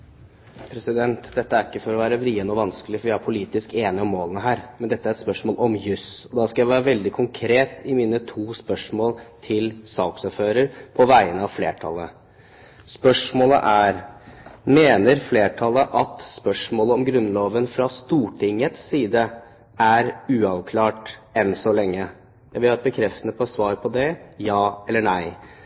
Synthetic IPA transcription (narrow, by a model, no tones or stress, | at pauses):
pʰɾɛsɪd̪ɛnt̪d̪ɛt̪ːəæɾɪkːəfɔɾɔʋæːɾəʋɾiːənəɔʋɑnskəlɪfɔɾʋɪæɾpʰʊliːt̪ɪskeːnɪɔmːoːlənəɦæːɾmɛnd̪ɛt̪ːəæɾɛt̪spœʂmoːlʔɔmjʉsɔd̪ɑskɑjæɪʋæːɾəʋɛld̪ɪkʰʊŋkʰɾeːt̪ɪmiːnət̪ʰuːspœʂmoːlt̪ʰɪlsɑːksɔɾføːɾəɾpʰɔʋæɪənəɑʋfleːʈʰɑ̰lːə | spœʂmoːlə̰ʔæɾ | meːnəɾfleːʈʰɑləʔɑt̪spœʂmoːləɔmɡɾʉnːloːʋənfɾɑst̪uːʈʰɪŋːət̪sːiːd̪ə | æɾʉːɑʋkʰlɑːʈɛnsɔlɛŋːə | jæɪʋɪlhɑɛt̪̚bəkʰɾɛft̪ənəpʰɔsʋɑːɾpʰɔd̪ɛjɑːɛlːəɳæɪ